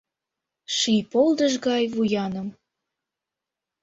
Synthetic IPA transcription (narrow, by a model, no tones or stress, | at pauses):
ʃijpold̪əʒɣɑjβujɑnəm